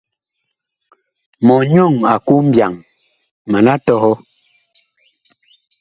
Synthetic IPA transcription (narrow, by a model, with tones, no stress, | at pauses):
mɔ˨ɲɔ˦˨ŋa˨ku˦m̩˦bja˨ŋ | ma˨na˦tɔ˦ɣɔ˦